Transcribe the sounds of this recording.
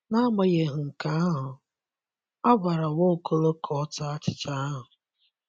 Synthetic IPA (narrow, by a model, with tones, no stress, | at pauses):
na˦ma˨je˨ɦʊ˨ŋ̩˨ka˨˦a˦ɦʊ˨ | a˦ɡʷa˨ɾa˨wo˦˨kʰo˦lo˦kʰɔ˨ɔ˦ta˦a˦t͡ʃɪ̥˦t͡ʃa˦a˦ɦʊ˨